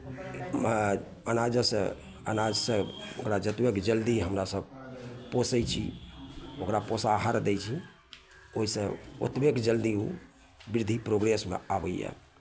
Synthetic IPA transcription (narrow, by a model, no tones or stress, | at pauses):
ənad͡ʒəsə̰̃ | ə̰nad͡ʒsə̃okɾad͡ʒət̪bekd͡ʒəld̪iɦəmɾasəb̚posəjt͡ʃʰḭ | okɾaposaɦəɾd̪ɛjt͡ʃʰi | oɦisə̃o̰t̪bekd͡ʒəld̪iṵ | biɾd̪ʱipɾoɡɾesmḛabəjjɛ̰